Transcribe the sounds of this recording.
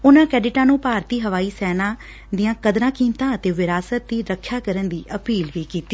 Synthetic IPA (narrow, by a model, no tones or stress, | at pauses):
ʊnãːkɛːɖɪʈãːnũːpaːɾt̪iːɦəʋaːiːsɛːnãː | d̪ɪjãːkəd̪ɾãːkiːmt̪ãːət̪eːʋɪɾaːsət̪̚d̪iːɾəkʰjaːkəɾənd̪iːʔəpiːlʋiːkiːt̪iː